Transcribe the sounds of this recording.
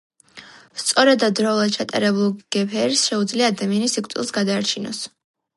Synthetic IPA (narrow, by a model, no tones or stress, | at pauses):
st̪sʼɔɾɛd̪ːad̪ːɾɔulˠad̪̚t͡ʃʰat̪ʼa̰ɾɛbulˠɡ̥ɛpʰɛɾsʃɛud̪zliaːd̪amianisikʰʼt̪ʼḭlˠsɡad̪aːɾt͡ʃʰinɔ̰s